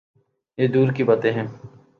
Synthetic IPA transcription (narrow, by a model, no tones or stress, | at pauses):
jeːd̪uːɾkibaːt̪eɦɛ̃ː